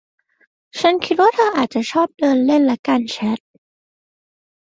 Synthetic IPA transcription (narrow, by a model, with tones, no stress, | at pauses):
t͡ɕʰa˦˥nkʰi˦t̪̚waː˥˩t̪ʰaː˥˩ʔaː˨˩t̪̚t͡ɕa˨˩t͡ɕʰɔː˥˩p̚dɤː˧nle˥˩nlɛ˦˥kaː˧nt͡ɕʰɛ˦˥t̪̚